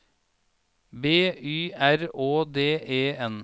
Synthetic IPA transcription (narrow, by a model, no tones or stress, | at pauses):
beːyːæɾoːd̪eːʔeːɛn